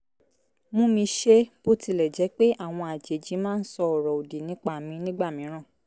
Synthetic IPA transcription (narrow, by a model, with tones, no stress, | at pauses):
mũ˦mĩ˧ʃe˦b̥o˦ti˧lɛ˨d͡ʒɛ˨˦k͡pe˦ʔa˦˨w̃ɔ̃˧a˨d͡ʒe˨˦d͡ʒĩ˨˦mãː˦n̩˦sɔ˧ɔ˨ɾɔ˨o˨di˨nĩ˨˦k͡pa˦˨mĩ˨˧˦nĩ˦ɡ͡ba˦˨mĩ˨˦ɾ̃ã˦˨